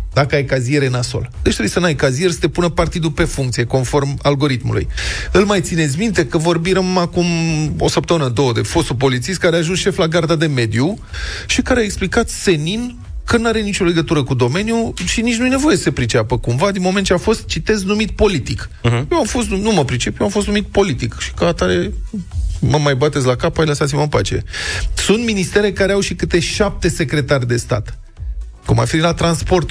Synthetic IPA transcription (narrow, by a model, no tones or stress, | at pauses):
d̪akəajkazie̞ɾenaso̞̰ld̪et͡ʃʲt̪ɾeujesənajkazie̞rʲsə̥t̪e̞punəpart̪id̪upe̞fuŋkt̪sije̞ko̞nfo̞rmalɡo̞ɾit̪mṵlṵjɨlmajt̪sine̞t̪sʲmint̪e̞kəvo̞rbiɾəmakumo̞̰səpt̪əmɨnəd̪o̞wəd̪e̞fo̞st̪up̬o̞lit̪sist̪kaɾeaʒunsʃe̞flaɡard̪ad̪e̞me̞d̪ju | ʃikaɾeaeksplikat̪se̞nin | kənuaɾe̞nit͡ʃo̞le̞ɡət̪uɾəkud̪o̞me̞njuʃinit͡ʃʲnuje̞ne̞vo̞je̞sə̥sepɾit͡ʃapəkumvad̪inmoment̪̚t͡ʃʲeafo̞st̪̚t͡ʃit̪e̞znumit̪̚po̞lit̪ikjewamfo̞st̪nnuməpɾit͡ʃe̞pjewamfo̞st̪numit̪̚po̞lit̪ikʃi̥kəat̪aɾe | məmajbat̪e̞t̪sʲlakapajləsat̪sʲiməmpa̰t͡ʃe̞̰sunt̪minist̪e̞ɾe̞kaɾeawʃikɨt̪e̞ʃap̚t̪e̞se̞kɾe̞t̪arʲd̪e̞st̪a̰t̪ | kuma̰finilat̪ɾanspo̞rt̪